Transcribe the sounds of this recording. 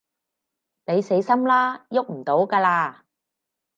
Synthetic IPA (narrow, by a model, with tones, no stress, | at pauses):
ne˨˧jse˨˥jsɐ˥mlaː˥jʊ˥k̚m̩˨˩t̪o˨˥wkaː˧laː˧